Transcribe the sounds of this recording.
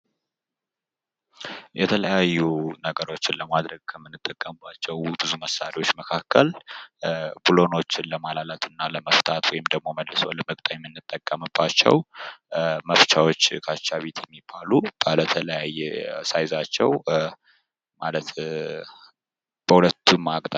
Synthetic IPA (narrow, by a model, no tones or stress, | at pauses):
jɛt̪ʰələjajːunəɡəɾo̞t͡ʃːɪnləmad̪ɾəɡ̚kʰəmːɨnːɨt̪ʼːəkʼːəmɨbːat͡ʃːɛwbɨzuməsaɾiwo̞t͡ʃːməkʰakʰːəl | bulo̞no̞t͡ʃːɪnləmalalat̪ʰɨnːaləməft̪ʰat̪ʰwɔjɪmd̪əɡ̚mo̞məlːɨso̰ləmək̚ʼt̪ʼajɛmːɨnːɨt̪ʼːəkʼːəmɨbːat͡ʃːɛ̰w | məft͡ʃʰawo̞t͡ʃːkʰat͡ʃːaβe̞t̪ʰjɛmːibalub̥ələt̪ʰələjajsajzat͡ʃːɛw | malət̪ | b̥əhulət̪ʰːumːakʼt̪ʼa